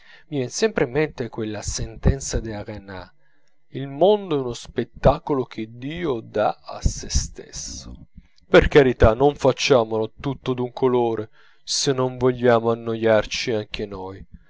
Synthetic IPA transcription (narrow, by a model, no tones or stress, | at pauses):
miɛnsɛmpɾeimːent̪ekwelːasent̪ɛnt̪sad̪iaɾena̰ | ilmond̪oɛunospet̪ːakolok̟ʰed̪iːod̪aa̰sest̪ḛsːo | perkaɾit̪anoɱfat͡ʃːaːmolot̪ut̪ːod̪uŋkʰoloːɾe | senːoɱvoʎːaːmoanːojart͡ʃiaŋk̟enoj